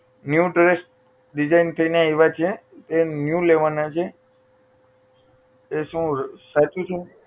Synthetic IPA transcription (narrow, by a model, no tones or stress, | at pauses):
njuʈɾesʈ̚ | ɖid͡ʒaint̪ʰəinjaeʋat͡ʃʰet̪enjuleʋanat͡ʃʰe | eʃũsat͡ʃũt͡ʃʰe